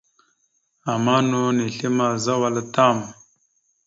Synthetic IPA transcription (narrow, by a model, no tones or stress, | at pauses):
amaːnuniɬimazɐwɐlɐt̪aːm